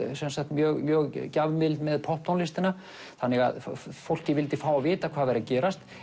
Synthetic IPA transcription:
sɛnsakt̪mjœːɣmjœːɣcavmɪlt̪mɛðpʰɔhp̪̚anlɪst̪ɪna | θanːɛɣa̰ðfowl̥cɪvɪlt̪ɪfaːwavɪːt̪akʰvaːðvɛɾðacɛːɾast̪

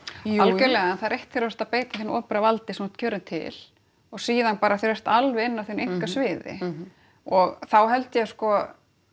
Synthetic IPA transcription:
alɛlɛɣaɛnθaðɾejht̪fɪɾast̪apeːjt̪ḁθenɔːpɾavalt̪ɪsɛmut̪cʰœːɾʏnt̪ʰɪ̰l̥ | ɔɣsiːðanpaːɾaθɾɛst̪alvɪɪnːavθenejŋ̥kasvɪːðɪ̰ | ɔɣθawɦɛlt̪jɛskɔ

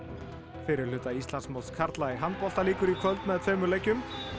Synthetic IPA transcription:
fɪɾɪɾ̥lʏːt̪aist̪ansmɔw̪skʰaɾt̪laɪɦanːpɔl̥t̪aliːkʏɾikʰœlt̪̚naɛt̪fœːɥmʏlejcːʏm

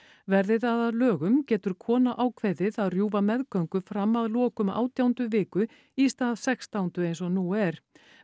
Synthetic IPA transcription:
vɛɾðɪðaðaðlœːɣʏmcɛːt̪ʏɾ̥kʰɔːnaʔaːwkʰvejðɪðaðrjuːvamɛðkœɥŋkʏfɾamːaðlɔːkʏma̰ːwt̪jawnt̪ʏvɪːkʏ | ist̪aːðsɛkst̪awnt̪ʏejnsɔnuːɛɾ̥

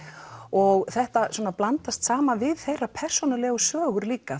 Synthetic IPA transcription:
ɔɣθɛht̪aswuɔːnaplant̪ast̪saːmanvɪðθejrapʰɛr̥sɔnalɛɣʏsvœːɣʏɾliːka

